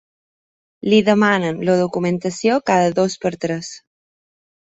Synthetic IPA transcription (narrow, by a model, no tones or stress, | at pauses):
liðəmanənləðukumənt̪əsiokaðəðospəɾt̪ɾɛs